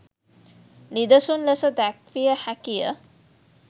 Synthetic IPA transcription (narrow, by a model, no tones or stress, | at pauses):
nid̪əsunləsəd̪ækʋijəhækijə̰